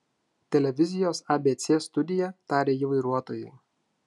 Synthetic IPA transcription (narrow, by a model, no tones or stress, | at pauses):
t̪ʲɛlʲɛʋʲɪzʲɪjoːsɑbʲeːt̪sʲeːst̪ʊd̪ʲɪjɛt̪ɑːɾʲeːiːʋɐɪɾuɔt̪oːjɛ